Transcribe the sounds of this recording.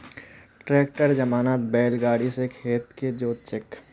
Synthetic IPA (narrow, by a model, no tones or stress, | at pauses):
ʈɾeːk̚ʈəɾd͡ʒɐmaːnaːt̪̚bɛːlɡaːɽisekʰeːt̪ked͡ʒoːt̪t͡ʃɪk